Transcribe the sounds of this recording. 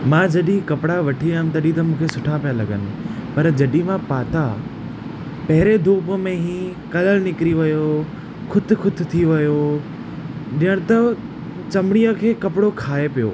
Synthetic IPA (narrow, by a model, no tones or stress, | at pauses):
mãd͡ʑɐɗikɐpɪɽaʋɐʈʰiaːjɪmt̪ɐɗit̪ɐmũːkʰesʊʈʰapijalɐɡənɪ̆pɐɾd͡ʑɐɗimãpaːt̪a | pɐɦɪɾed̪ʱuːpmẽɦĩ | kɐləlnɪkɪɾiʋɐjo | kʰʊt̪̆kʰʊt̪̆ʰt̪ʰiʋɐjo | ɗijəɽ̃t̪ɐ | t͡ɕɐmɪɽ̃ijəkʰeːkɐpɪɽokʰaːepijo̰ː